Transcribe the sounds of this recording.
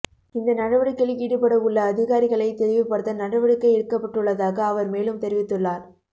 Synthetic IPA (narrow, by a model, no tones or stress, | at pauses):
ɪnd̪ɐnɐɽɐʋɐɽɯkːɐɭiːɽɯpːɐɽɐʊɭːɐːðɪɣaːɾɪɣɐɭɐɪt̪ɛɾɪʋɪpːɐɽɯt̪ːɐnɐɽɐʋɐɽɯkːɐɪɛɽɯkːɐpːɐʈːɯɭːɐðaːɣɐːʋɐɾmeːlɯmt̪ɛɾɪʋɪt̪ːɯɭːaːɾ